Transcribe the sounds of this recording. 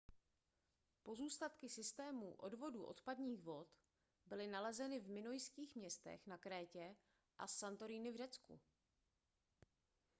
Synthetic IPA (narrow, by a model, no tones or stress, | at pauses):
po̞zuːst̪at̪kɪsɪst̪ɛːmṵːʔo̞̰dvo̞dṵːʔo̞̰t̪padɲiːxvo̞t̪ | bɪlɪnalɛzɛnɪvmɪno̞jskiːxmɲɛst̪ɛ̰xnakɾɛːcɛ | ʔasːant̪o̞ɾiːnɪvrɛt͡skṵ